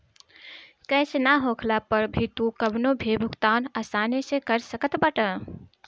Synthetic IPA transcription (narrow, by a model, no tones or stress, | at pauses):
kəɪsnaɦokʰlapəɾbʱit̪ũkəbnobʱebʱukt̪anəsanesẽkəɾsəkət̪bəʈə